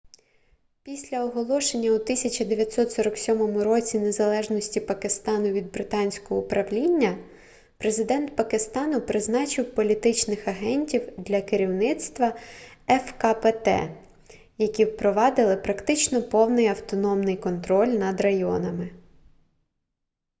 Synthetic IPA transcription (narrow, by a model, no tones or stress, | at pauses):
pʲisʲlʲɐɔɦɔlˠɔʃe̞nʲːɐut̪ɪsʲɐt͡ʃɐd̪eʋʲjɐt̪ʲsɔt̪sɔɾɐksʲɔmɔmʊɾɔt͡sʲine̞zɐlˠɛʒnɔsʲtʲipɐkɪst̪ɑnʊʋʲid̪̚bɾɪt̪ɑnʲsʲkɔɦɔupɾɐwlʲinʲːɐ | pɾe̞zɪd̪ɛnt̪̚pɐkɪst̪ɑnʊpɾɪznɑt͡ʃɪwpɔlʲit̪ɪt͡ʃnɪxɐɦɛnʲtʲiwd̪lʲɐkɪɾʲiwnɪt̪st̪ʋɐɛfkɐpet̪ɛ̰ | jɐkʲiwpɾɔʋɑd̪ɪlˠɪpɾɐkt̪ɪt͡ʃnɔpɔwnɪjɐwt̪ɔnɔmnɪjkɔnt̪ɾɔlʲnɐd̪rɐjɔ̰nɐmɪ